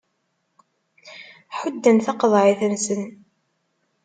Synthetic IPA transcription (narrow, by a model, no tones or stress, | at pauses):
ħʊd̪ːənθɑqðˤʕɪθənsən